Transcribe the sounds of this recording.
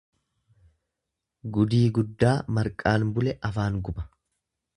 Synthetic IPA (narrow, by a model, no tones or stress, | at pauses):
ɡʊd̪iːɡʊd̪ːaːmɐɾkʼaːnbʊlɛʔɐfaːŋɡʊbɐ̥